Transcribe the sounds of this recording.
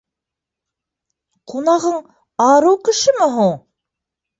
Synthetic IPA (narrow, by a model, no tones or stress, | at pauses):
qunɑʁɤɴ | ɑɾɤwkɘ̆ʃɘmɘɦuɴ